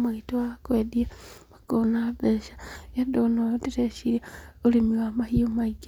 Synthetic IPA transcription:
maitoakwediamakonaβeʃḁjadonotiɾeʃiɾaolimiwamahiomaiɡa

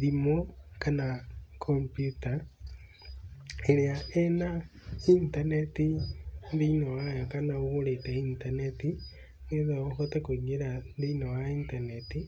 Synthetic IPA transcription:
ðimokanakʰompjuta | eɾeaɛnaintanetinðiinowajɔkanaoɣoɾetɛintaneti | neðɔxɔtɛkoiɲeɾanðiinowaintaneti

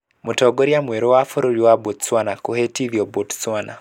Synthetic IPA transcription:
mutɔɡoɾjamweɾowafoɾoɾiwabotswanakohetiðjɔbotswana̰

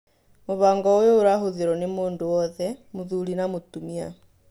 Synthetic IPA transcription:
muβaːŋɡɔojouɾaɦoðiɾonimuːnduwɔðɛmuðulinamutumia̰

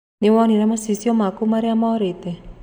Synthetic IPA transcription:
niwɔniɾamasisiɔmakumaɾiamɔɾit̪e

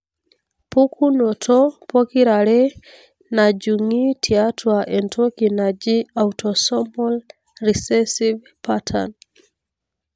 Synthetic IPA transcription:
pukunɔtʰɔpɔkiɾaɾɛ | nad͡ʒuŋitʰiatʰwaʔɛntʰɔkinad͡ʒiautʰɔsɔmɔl | risɛsiv | patʰa̰n

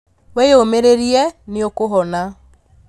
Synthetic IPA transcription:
wejomeɾeɾiɛneokoɦɔna

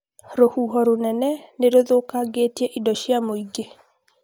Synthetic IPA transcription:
ɾohuɦɔɾonɛnɛneɾoðokaɡetjeʔidɔʃjamoiɡe

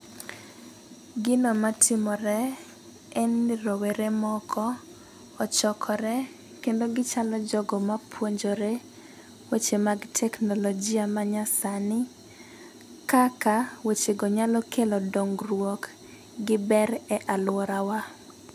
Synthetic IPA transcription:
ɡɪnomatʰɪmɔɾɛ | ɛnɾoweɾemɔkʰɔː | t͡ʃɔkʰɔɾɛ | kendoɡɪt͡ʃalɔd͡ʒɔɡɔmapʰwoɲd͡ʒoɾe | wet͡ʃemaɡtʰɛknɔlɔd͡ʒiamaɲasanɪ | kakawet͡ʃeɡɔɲalɔkelɔdɔŋɡrwɔk | ɡɪbɛɾɛʔalwɔɾawa

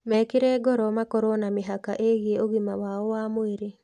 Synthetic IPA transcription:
mɛkeɾɛːɡɔɾɔmakɔɾonameɦaka̰ʔeɣeoɣimawaɔwamoeɾe

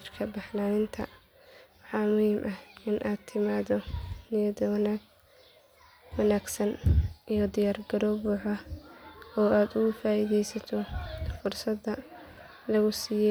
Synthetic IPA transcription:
frkʰɐbɐħnaːnɪnt̪ʰɐ̰ | wɑħɑːmʊhiːmʔɐhɪnʔaːd̪̚t̪ʰɪmaːðɔnɪjɐd̪ɐwnaɡ | wɐnaːɡsɐnʔijɔd̪ɪjaːrɡɐɾɔbʊːħɐ | ɔːaːd̪ʊɣʊfaːiðɛjsɐt̪ʰɔfʊrsɐd̪ːɐ | lɐɣʊsiːjɛ

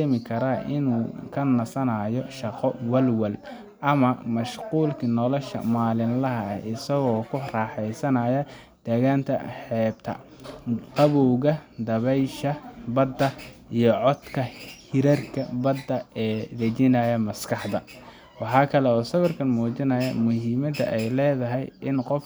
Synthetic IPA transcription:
ɛmɪkʰɐɾaʔɪ̰nuːkʰɐnɐsɐnaːjɔʃɐqɔwɐlwɐl | ʔɐmɐmɐʃquːlkʰinɔlɔʃɐ̰maːlɪnlɐɦɐɛɪsɐɣɔːkʰʊrɑːħɛjsɐnɐjɐ | d̪̥ɛɣaːnt̪ʰɐ̰ħɛːb̚t̪ʰɐ̰ | q̪ɑβɔːɣɐd̪ɐβɛjʃɐbɐd̪ɐijɔʕɔd̪kʰɐhɪɾɐrkʰɐbɐd̪ːɐɛːdɐt͡ʃɪnɐjɐmɐskʰɑħd̪ɐ | wɑħɑːkʰɐlɛɔːsɐβɐrkʰɐnmuːt͡ʃɪnɐjɐ̰mʊɦimɐd̪ɐ̰ʔɛjlɛːðɐɦɛjʔɪnqɔf

